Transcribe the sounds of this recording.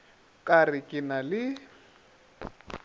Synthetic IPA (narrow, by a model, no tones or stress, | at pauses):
kʼarɪkʼɪnalɪ